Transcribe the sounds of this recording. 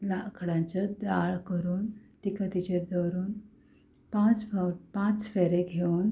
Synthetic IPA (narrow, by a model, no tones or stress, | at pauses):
lakʰɽãɲt͡ɕəd̪aɭkəɾuːnt̪ikət̪it͡ɕed̪əɾuːn | pãt͡sfpãt͡sfeɾeɡʱeuːn